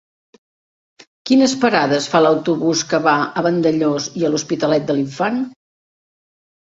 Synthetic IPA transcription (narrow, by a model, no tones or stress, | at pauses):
kinəspəɾaðəsfaləwt̪uβuskəβaəβənd̪əʎoziəluspit̪əlɛt̪̚d̪əliɱfan